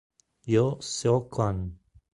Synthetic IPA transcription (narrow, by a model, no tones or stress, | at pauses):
josokan